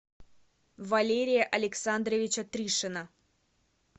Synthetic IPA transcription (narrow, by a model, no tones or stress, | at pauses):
vɐlʲeɾʲɪjəʔɐlʲɪksand̪ɾəvʲɪt͡ɕət̪ɾʲiʂɨnə